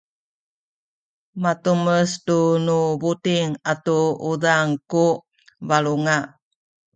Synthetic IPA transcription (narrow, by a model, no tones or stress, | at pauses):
mat̪uməsdunubutiŋatuudaŋku | valuŋa